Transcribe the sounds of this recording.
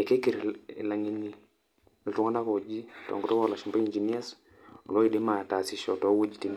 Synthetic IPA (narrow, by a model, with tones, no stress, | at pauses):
e˨ke˦ki˨ɾla˨ŋi˦ni˨ | ltu˨˦ŋa˦na˦kɔ˨d͡ʒi˦tɔ̰˨ŋɡu˦tɔ˦kɔ˦la˨ʃi˨mba˦i˨ɲd͡ʒi˨ni˦a˦s | ɔ˨lɔ˦i˨de˦ma˨ta˨si˨ʃɔ̰˨tɔ˦wo˦d͡ʒi˨ti˨n